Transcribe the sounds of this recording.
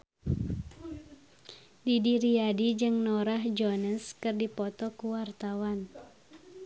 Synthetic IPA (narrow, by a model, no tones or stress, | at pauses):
didiɾiadid͡ʒɨŋnɔɾaɦd͡ʒɔnəskɨrdipɔt̪ɔkuwart̪awan